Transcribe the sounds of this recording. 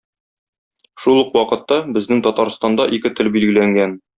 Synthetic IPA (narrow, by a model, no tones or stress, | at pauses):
ʃulˠuqwɒqɤ̆t̪ːɑbɘ̆znɘŋt̪ɒt̪ɑɾst̪ɑnd̪ɑʔikɘt̪ɘlbilɡɘ̆læŋɡæn